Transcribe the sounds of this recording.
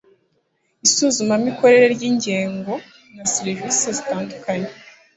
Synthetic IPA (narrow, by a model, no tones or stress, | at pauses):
isuːzumamiko̞ɾe̞ɾe̞ɾɟiːɲɟeːŋɡo̞ | nasiɾvisezitaːndukaɲe